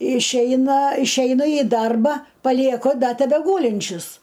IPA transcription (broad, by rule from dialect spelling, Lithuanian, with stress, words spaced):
ɪʃʲˈɛɪnɐ ɪʃʲˈɛɪnɐ ɪ ˈdɐrbɐ pɐlʲiɛˈkʊ ˈdɐ tʲɛbʲɛˈɡuːlʲɪnʲt͡ʃʲʊs